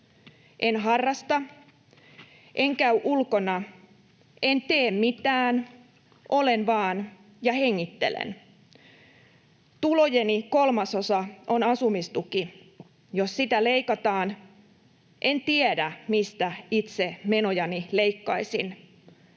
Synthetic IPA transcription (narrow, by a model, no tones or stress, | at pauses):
ʔenɦɑrːɑst̪ɑ | ʔeŋkæyʔulkonɑ | ent̪eːmmit̪æːn | ʔolenʋɑːn | jɑheŋːit̪ːḛlḛn | t̪ulojenikolmɑsosɑʔonɑsumist̪uki | jossit̪æleikɑt̪ɑːn | ʔent̪iedæmist̪æit̪semenojɑnileikːɑisin